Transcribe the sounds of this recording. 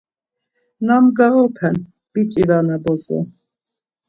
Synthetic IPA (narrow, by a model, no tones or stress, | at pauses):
namɡaɣɔpʰɛn | b̥it͡ʃʼivanabɔzɔ̰